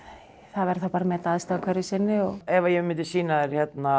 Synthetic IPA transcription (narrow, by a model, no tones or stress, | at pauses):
θaðvɛɾθawpaːɾamɛt̪aðɪst̪aakʰvɛɾɪsɪnːɪɔɣɛvajɛmɪnt̪ɪsiːnaðɛɾ̥çjɛt̪na